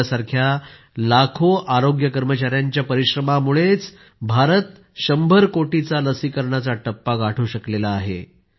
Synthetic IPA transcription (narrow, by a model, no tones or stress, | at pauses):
saɾkʰja | lakʰoʔaɾoɡjəkəɾmət͡ɕaɾjaɲt͡ɕjapəɾiɕɾəmamuɭet͡s | bʱaɾət̪ | ɕəmbʱəɾkoʈit͡saləsikəɾɳat͡saʈəpːaɡaʈʰuːɕəklelaːɦḛ